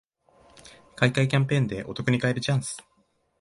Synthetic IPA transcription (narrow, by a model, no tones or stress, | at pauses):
kaikaikʲãmpẽ̞ːnd̪e̞ʔo̞t̪o̞kɯ̟ɲ̟ikaeɾɯ̟t͡ɕãɰ̃sɨ̥